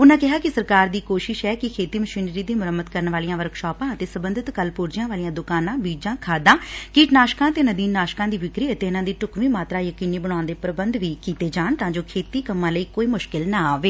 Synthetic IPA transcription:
ʊnãːkɪɦaːkɪsəɾkaːɾd̪iːkoːʃɪʃɛːkɪkʰeːt̪iːməʃiːnɾiːd̪iːmʊɾəmːət̪kəɾənʋaːlijãːʋəɾkʰʃɔːpãːət̪eːsəbənd̪ɪt̪kəlpʊɾd͡ʒɪjãːʋaːlijãːd̪ʊkaːnãːbiːd͡ʒãːkʰaːd̪ãːkiːʈnaːʃkãːt̪eːnəd̪iːnːaːʃkãːd̪iːʋɪkɾiːət̪eːɪnãːd̪iːʈʊkʋiːmaːt̪ɾaːjəkiːniːbəɽ̃aːnd̪eːpɾəbənd̪ʋiːkiːt̪eːd͡ʒaːɳt̪ãːd͡ʒoːkʰeːt̪iːkəmːãːləiːkoːiːmʊʃkɪlnaːaːʋeː

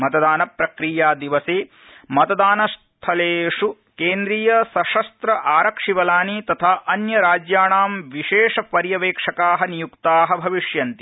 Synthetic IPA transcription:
mɐt̪ɐd̪aːnɐpɾɐkɾijaːd̪iʋɐseː | mɐt̪ɐd̪aːnɐst̪ʰɐleːʂu | keːnd̪ɾiːjɐsɐʂɐst̪ɾɐʔaːɾɐkʂiʋɐlaːnit̪ɐt̪ʰaːʔɐnjɐɾaːd͡ʒjaːɳaːmʋiʃeːʂɐpɐɾjɐʋeːkʂɐkaːɦɐnijukt̪aːɦɐbʱɐʋiʂjɐnt̪i̥

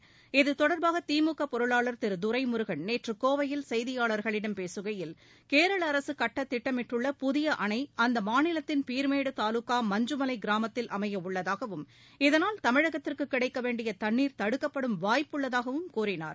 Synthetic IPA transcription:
ɪðɯt̪ɔɽɐɾbaːɣɐt̪iːmʊkːɐpɔɾɯɭaːɭɐɾt̪ɪɾɯd̪ʊɾɐɪmʊɾɯɣɐɳneːʈrɯkoːʋɐjɪlsɐjðɪjaːɭɐɾɣɐɭɪɽɐmpeːsɯɣɐjɪl | keːɾɐɭɐɾɐsɯkɐʈːɐt̪ːɪʈːɐmɪʈrɯɭːɐpʊðɪjɐʔɐɳɐɪɐnd̪ɐmaːnɪlɐt̪ːɪnpiːɾmeːɽɯt̪aːlʊkːaːmɐɲd͡ʒɯmɐlɐɪɡɪɾaːmɐt̪ːɪlʔɐmɐjɐʊɭːɐðaːɣɐʋɯm | ɪðɐnaːlt̪ɐmɪɻɐɣɐt̪ːɪrkɯkːɪɽɐɪkːɐʋeːɳɖɪjɐt̪ɐɳːiːɾt̪ɐɽɯkːɐpːɐɽɯmʋaːjpːɯɭːɐðaːɣɐʋɯmkuːɾɪna̰ːɾ

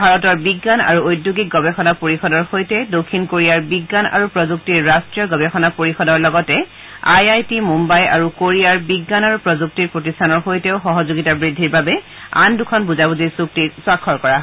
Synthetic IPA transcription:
bʱaɹɔtɔɹbiɡːana̰ɹuojdjuɡik̚ɡɔbɛxɔnapoɹixɔdɔɹxojtɛdokʰːinkoɹijaɹbiɡːana̰ɹupɹɔzuk̚tiɹːastɹijɔɡɔbɛxɔnapoɹixɔdɔɹlɔɡɔtɛ | ajajtimumbaja̰ɹukoɹijaɹbiɡːanaɹupɹɔzuk̚tiɹpɹot̬istʰanɔɹxojtɛʊxɔɦɔzoɡitabɹidʱːiɹbabɛ | a̰ndukʰɔnbuzabuzisuk̚tiswakʰːɔɹkɔɹaɦ

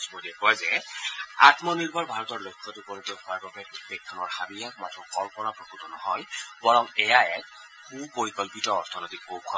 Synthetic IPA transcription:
smodiɛkɔazɛ | a̰t̪mɔniɹbɔɹbʱaɹɔtɔɹlokʰːɔtukonɔtɛxɔaɹbabɛpekʰːɔnɔɹxabijakmatʰɔkɔmpɔɹapɹɔkutɔnɔ̰ɦɔjbɔɹɔŋɛjaɛ | kʰubpoɹikɔlpitɔːɹtʰɔnotikːowkʰɔ

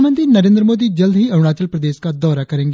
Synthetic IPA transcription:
mə̃nt̪iːnəɾẽːnd̪ɾəmoːd̪iːd͡ʒəld̪ɦiːəʋɽ̃aːt͡ʃəlpɾəd̪eːʃkad̪ɔːɾaːkəɾẽːŋɡ

